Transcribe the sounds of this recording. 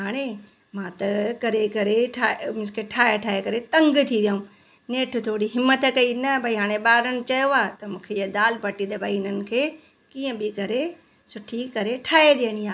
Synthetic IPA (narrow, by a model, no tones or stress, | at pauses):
ɦaːɽ̃e | mãːt̪ɐkɐɾekɐɾeʈʰaːmɪ̃skʰeʈʰaːeʈʰaːekɐɾet̪ɐ̃ŋɡt̪ʰiʋjaːũː | neːʈʰt̪ʰoːɽiɦɪmːət̪kɐinɐbʱaiɦaːɽ̃eɓaːɾəñt͡ʃɐjoaːt̪ɐmũːkʰejd̪aːlpɐʈid̪ɐbʱaːiɪnənɪ̆kʰeː | kiːə̃bʱikɐɾe | sʊʈʰikɐɾeʈʰaːeɗeːɽ̃ĩaː